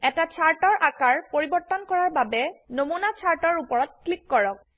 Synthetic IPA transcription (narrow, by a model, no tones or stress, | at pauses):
ɛtat͡ɕʰaɹʈɔɹʔakaɹpoɹibɔt̪ɔnkɔɹaɹbabenomunat͡ɕʰaɹʈɔɹupɔɹɔt̪̚klikːɔɹɔk̚